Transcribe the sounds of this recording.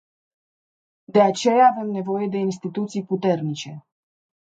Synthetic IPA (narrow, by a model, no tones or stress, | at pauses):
d̪e̞at͡ʃe̞jaːve̞mne̞vo̞je̞d̪e̞ins̬t̪it̪ut̪sijput̪e̞rnit͡ʃe̞